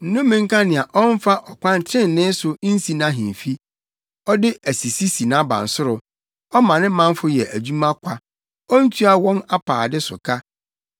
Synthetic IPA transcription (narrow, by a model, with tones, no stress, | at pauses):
n̩˨nʊ̃˦mːĩ˨ŋ̩˦kã˦nɪ̃˨a˨ʔɔ˦n˦fa˦ʔɔ˨kʷʰã˦n˨˦tʰɪ̃˦˨n̩˨nːɪ̃˦sʊ˨˦n̩˦si˨nã˦ɦḭ̃˨m˨fi˦ | ɔ˦dɪ˦ʔæ˨si˨si˦si˨nã˦bã̰˨n̩˨sʊ˦ɾʊ˨ | ɔ˦mã˨nɪ̃˦mã˦m˦fʊ˦jɛ˨ʔæ˨d͡ʑu˦mã˦kʷʰa˦ | ɔ˦n̩˦tʰu˦a˦wɔ̃˦na˦pʰaː˨dɪ˦sʊ̰˨kʰa˦